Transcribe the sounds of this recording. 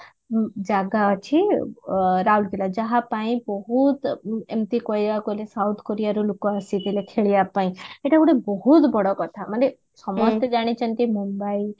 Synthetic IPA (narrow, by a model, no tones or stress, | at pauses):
d͡ʒaɡat͡ʃʰi | ɾaulkilad͡ʒʌɦãpaĩbɔɦut̪ḛmt̪ikojjakolesawt̪ʰkoɾijaɾulukoasit̪ilekʰeɭijapaĩeʈauɽebɔɦut̪bɔɽɔkʌt̪ʰamʌne | sʌmʌst̪ed͡ʒaɽ̃it͡ʃʰʌnt̪imumbai